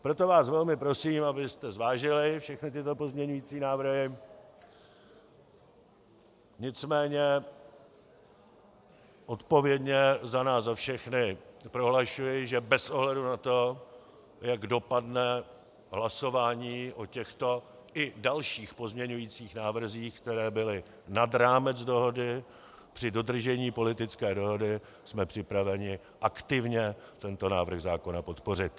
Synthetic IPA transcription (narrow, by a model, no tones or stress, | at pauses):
pɾo̞t̪o̞vaːsvɛlmɪpɾo̞siːmʔabɪst̪ɛzvaːʒɪlɪfʃɛxnɪt̪ɪt̪o̞po̞zmɲɛɲujiːt͡siːnaːvr̩ɦɪ | ɲɪt͡smɛːɲɛ | ʔot̪po̞vjɛdɲɛzanaːszafʃɛxnɪpɾo̞ɦlaʃujɪʒɛbɛsʔo̞ɦlɛdunat̪o̞ | jaɡdo̞padnɛ | ɦlaso̞vaːɲiːʔo̞cɛxt̪o̞ | ʔɪdalʃiːxpo̞zmɲɛɲujiːt͡siːxnaːvr̩ziːxkt̪ɛɾɛːbɪlɪ | nadɾaːmɛd͡zdo̞ɦo̞dɪ | pr̝̥ɪdo̞dr̩ʒɛɲiːpo̞lɪt̪ɪt͡skɛːdo̞ɦo̞dɪ | smɛpr̝̥ɪpɾavɛɲɪ | ʔakt̪ɪvɲɛt̪ɛnt̪o̞naːvr̩ɣzaːko̞napot̪porɪt̪